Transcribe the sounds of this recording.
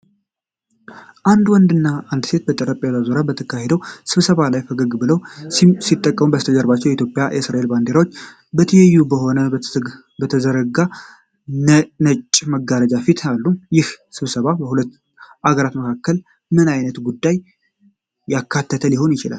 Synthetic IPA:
ʔand̪wɔnd̪ɨnːaʔand̪se̞t̪bət̪ʼəɾəpʼjazazoɾabət̪ʰəkʰːahe̞d̪əwsɨβsəβalajfəɡəɡbɨləwsit̪ʼːəkʼːəmubəst̪ʰəd͡ʒəɾbat͡ʃːɛwjɛit̪jo̞pʼja̰jʔɛsɾaʔelband̪e̞ɾawot͡ʃː | bət̪ʰəjɛjːubəɦo̞nə | bət̪ʰəzəɾəɡa | nət͡ʃʼːməɡːaɾəd͡ʒafit̪ʰalːumjɪhsɨβsəβabəhulət̪ː | ʔaɡəɾat̪məkʰakːəl | mɨnajnət̪ɡud̪ːajː | akʰːat̪ʰːət̪ʰəliho̞njɪt͡ʃɪla̰l

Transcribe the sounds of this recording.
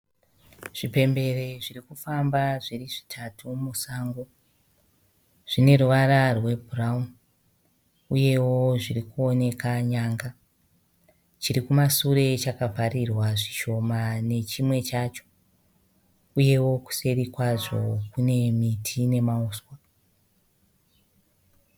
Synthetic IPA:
ʐ̥ipe̞mbe̞reʐirikufambaʐiriʐi̥tʰatʰumusaːŋɡo | ʐ̥ine̞ruʋararwe̞bʱuraum | uje̞wo̞ʐirikuo̞ne̞kaɲaːŋɡa | t͡ʃiɾikumasuɾe̞t͡ʃakavʱarirwaʐiʃo̞mane̞t͡ʃimwe̞t͡ʃat͡ʃo̞̥ | uje̞wo̞ku̥se̞ɾikwaʐo̞̰kune̞mitʰine̞mauːswa

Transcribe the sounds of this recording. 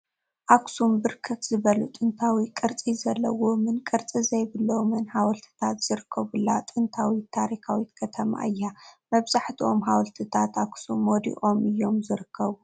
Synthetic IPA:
ʔaksumbɨɾkʰɐt̪z̥ɨβɐlut̪ʼɨnt̪ʰawikʼɨɾt͡sʼizɐlːɐ̰womɨnkʼɨɾt͡sʼizɐjbɨlːomɨnhawɐlt̪ʰɨ̥t̪ʰat̪z̥ɨɾɨkʰːɐβulat̪ʼɨnt̪ʰawit̪ʰaɾikawit̪kʰɐt̪ʰɐma̰ʔɨjːamɐβzaħt̪ʰiʔo̞mɦawɐlt̪ʰɨt̪ʰat̪aksumod̪ḭʔo̞mɨjːo̞mzɨɾɨkʰːɐβu

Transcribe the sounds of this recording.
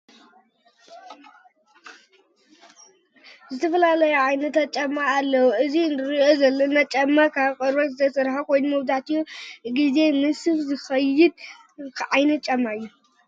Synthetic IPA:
zɨt̪ʰɐfɐlalɐjuʕajnɐt̪ɐt͡ʃʼːɐmːaːlːɐwuʔɨzinɾiʔozɐlːɐnːat͡ʃʼɐmːakʰaβkʼɐɾbɐt̪zɨt̪ʰɐsɨɾħakʰo̞jnumɐβd̪aʕt̪ʰijuɡize̞mɨsɨfzɨxɐjɪd̪̚ | kʰʕajnɐt͡ʃʼɐmːajːu

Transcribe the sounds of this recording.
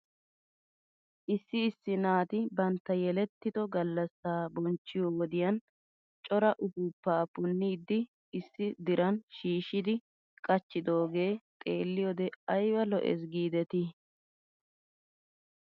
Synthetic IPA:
ʔɪsːɪːsːɪnaːt̪ɪbɐnt̪ːɐjɛlɛt̪ːɪd̪ɔɡɐlːɐsːaːbɔnt͡ʃːɪjɔwɔd̪ɪjɐn | t͡ʃʼɔɾɐʔʊɡuːpːaːpʊnːiːd̪ːɪ | ɪsːɪd̪ɪɾɐnʃiːʃɪd̪ɪ | kʼɐt͡ʃːɪd̪o̞ːɡe̞ːt̪ʼe̞ːlːɪjɔd̪ɛɐjwɐlɔʔɛ̰s̬ɡiːd̪ɛt̪ɪ

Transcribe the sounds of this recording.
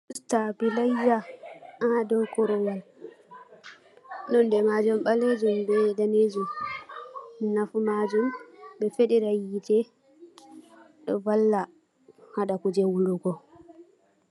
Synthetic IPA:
stabilajːaadɔwkɔɾɔwal | nɔndɛmad͡ʒumɓaled͡ʒumbɛdaned͡ʒum | minafumad͡ʒumbɛfɛɗɛɾajitɛ | ɗɔ̰valːa | haɗakud͡ʒɛwuluɡɔ

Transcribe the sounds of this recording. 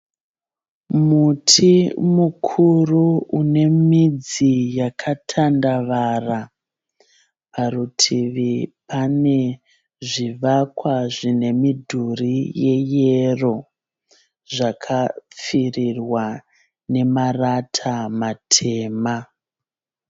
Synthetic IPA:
mutʰimukʰuruune̞mid͡zijakʰatʰandaʋara | paɾutʰiʋipane̞ | ʐiʋakwaʐine̞midʱurije̞jero̞ | ʐakʰap͡firirwa | ne̞maratʰamatʰe̞ːma

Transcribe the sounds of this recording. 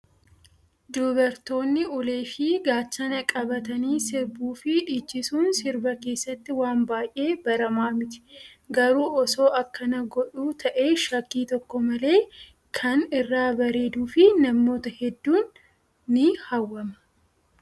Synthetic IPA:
d̪oːbɐɾt̪o̞ːnːɪʊle̞ːʃiːɡaːt͡ʃːɐnɐkʼɐbɐt̪ɐniːsɪɾbuːfɪʔːt͡ʃːɪsuːnsɪɾbɐke̞ːsːɐt̪ːɪwaːmbaːjʔe̞ːbɐɾɐmaːmɪt̪ɪ̥ɡɐɾuːʔɔso̞ːʔɐkːɐnɐɡɔᶑuːt̪ʰɐʔe̞ːʃɐkːiːt̪ɔkːɔmɐle̞ː | kʰɐnɪrːaːbɐɾe̞ːd̪uːfɪnɐmːo̞ːt̪ɐhɛd̪ːuːnː | ɪhɐwːɐmɐ̥

